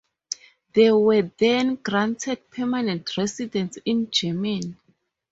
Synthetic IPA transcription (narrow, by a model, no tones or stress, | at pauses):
ðɛwɛðɛ̃nɡɹãntʰɛd̚pʰɛmanɛ̃ntʰɹɛsidɛ̃ntsĩnd͡ʒɛmɛ̃n